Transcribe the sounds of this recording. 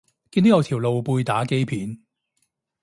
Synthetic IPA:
kiː˧nt̪o˨˥jɐ˨˧wt̪ʰiː˨˩wlo˨wpuː˧jt̪aː˨˥ke˥jpʰiː˨˥n

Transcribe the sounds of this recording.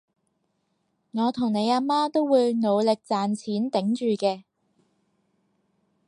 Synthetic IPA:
ŋɔː˨˧t̪ʰʊ˨˩ŋne˨˧jaː˧maː˥t̪o˥wwuː˨˧jno˨˧wlɪ˨k̚t͡saː˨nt͡sʰiː˨˥nt̪ɪ˨˥ŋt͡ʃyː˨kɛː˧

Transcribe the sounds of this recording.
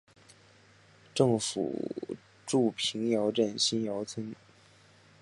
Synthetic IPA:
ʈ͡ʂɤ˥˩ŋfṵ˨˩ | ʈ͡ʂu˥˩pʰi˧˥ŋjɑ˧˥ʊʈ͡ʂə˥˩nɕi˥njɑ˧˥ʊt͡sʰə˥n

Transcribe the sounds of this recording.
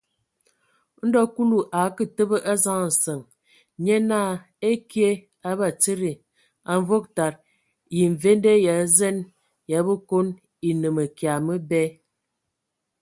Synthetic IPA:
n̩˦dɔ˦ku˦lu˨ʔa˨˦kə˨tə˦bə˦ʔa˦za˦ŋ˨n̩˨sə˨ŋ | ɲe˦naː˦˨ | e˦kje˦ | a˦ba˦˨t͡sə˦ɾi˨ | a˨ɱ˦vo˦k̚ta˨ɾ | ji˨ɱ̩˨ve˦n˦de˦ja˨˦zɛ˦n | ja˨˦bə˦ko˦n | i˨nə˨mə˨kja˨mə˦bɛ˦

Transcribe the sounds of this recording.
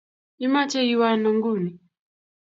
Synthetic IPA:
i˦ma˦t͡ʃɛ˦i˦wa˦nɔ˨ŋɡu˦˨ni˨

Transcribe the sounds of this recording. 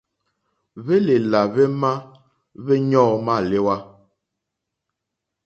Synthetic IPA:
βe˦le˨la˨βɛ˦ma˦ | βɛ˦ɲɔː˦˨ma˦˨le˦wa˦

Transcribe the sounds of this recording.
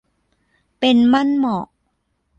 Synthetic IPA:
pe˧nma˥˩˨nmɔ˨˩ʔ

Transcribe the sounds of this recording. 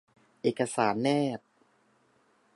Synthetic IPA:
ʔeː˨˩ka˧saː˩˦nmɛː˥˩t̪̚

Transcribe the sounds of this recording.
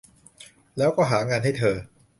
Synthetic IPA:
lɛː˦˥wkɔː˥˩ɦaː˩˦ŋaː˧nha˥˩jt̪ʰɤː˧

